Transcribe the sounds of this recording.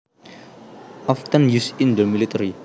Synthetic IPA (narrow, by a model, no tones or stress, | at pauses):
ɔft̪ə̃njusĩndəmilit̪əɾi